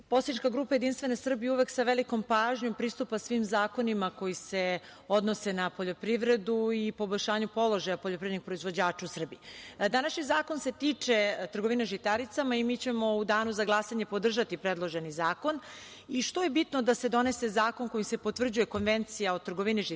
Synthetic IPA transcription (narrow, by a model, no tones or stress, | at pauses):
posanit͡ʃkaɡɾuːpaje̞d̪inst̪ʋe̞nesr̩bijuʋe̞ksaʋeliko̞mpaːʒɲo̞mpɾiːst̪upasʋimzaːko̞nimako̞jise | od̪no̞se̞napoʎo̞pɾiʋɾe̞d̪uipo̞boʎʲʃaːɲupo̞lˠo̞ʒajapoʎopɾiɾniɡ̚pɾo̞izʋo̞d͡ʑaːt͡ʃausr̩bijed̪anaʃɲizaːko̞nse̞t̪iːt͡ʂet̪r̩ɡoʋineʒit̪aɾit̪samaimiːt͡ɕemo̞ud̪aːnuzaɡlˠasaɲe̞po̞d̪r̩ʒat̪ipɾed̪lˠo̞ʒe̞nizaːko̞n | iʃt̪o̞je̞bit̪nod̪ase̞d̪o̞ne̞se̞zaːko̞nko̞jise̞pot̪vr̩d͡ʑuje̞ko̞nʋe̞nt̪sijaot̪rɡoʋiniʒ